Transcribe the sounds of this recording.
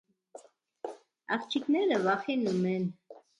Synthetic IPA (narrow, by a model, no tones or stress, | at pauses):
ɑ̰χt͡ʃʰiknɛɾəvɑχinumɛn